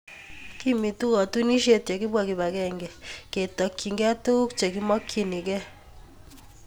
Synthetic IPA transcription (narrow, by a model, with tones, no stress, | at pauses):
ki˦mi˨tu˦kɔ˨tu˦ni˦ʃje˦tje˨ki˦bwa˨ki˨ba˨kɛ˦ŋɡɛ˨ke˨tɔ˨kːi˨ŋɡɛ˦tu˦kt͡ʃe˨k̬i˦mɔ˦kʰːi˦ni˨kɛ˦